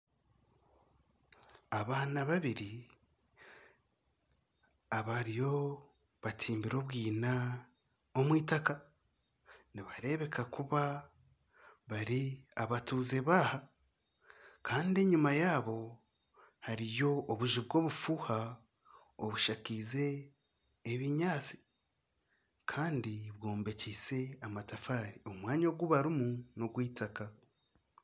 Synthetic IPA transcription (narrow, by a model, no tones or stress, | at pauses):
aβaːnaβaβiɾi | aβaɾijo̞ | βatʰiːmbiɾo̞βɡiːna | omwiːtaka | niβaɾe̞βe̞kakuβa | βaɾiaβatuːze̞βaːha | kʰaːndie̞ɲumajaːβo̞ | haɾijo̞ːβuʒiβɡo̞ːβufuːha | oβuʃakize̞ː | βiɲaːt͡si̥ | kʰaːndiβɡo̞ːmbe̞cise̞amatafaːɾio̞mwaːɲoɡuβaɾimunoɡwiːtaka